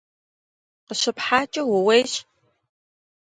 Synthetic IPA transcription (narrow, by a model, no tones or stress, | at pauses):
qəɕɪpħaːt͡ʃʼɐwʊwejɕ